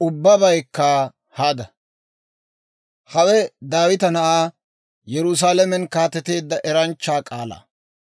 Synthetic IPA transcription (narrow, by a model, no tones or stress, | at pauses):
ʔʊbːɐbɐjkːaː | haːd̪ɐ | hɐwɛd̪aːwɪt̪ɐnɐʔaː | jɛɾʊs̬aːlɐmɛnkaːt̪ɛt̪e̞ːd̪ːɐʔɛɾɐnt͡ʃːaːkʼaːla̰ː